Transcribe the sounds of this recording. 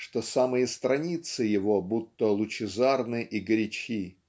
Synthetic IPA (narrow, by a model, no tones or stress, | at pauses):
ʂt̪osamɨjəst̪ɾɐnʲit̪sɨjɪvo̞but̪ːəlˠʊt͡ɕɪzarnɨʔiɡɾʲɪt͡ɕi